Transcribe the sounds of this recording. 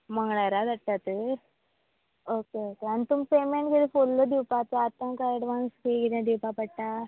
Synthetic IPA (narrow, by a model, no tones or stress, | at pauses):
məŋɡɽaɾad̪əʈːat̪ə | okeokeanit̪umpemeɳʈɡelifolːəd̪iwpat͡s̪aat̪ãnkaɾɽʋãŋɡskikid̪ãd̪iwpapəɽʈa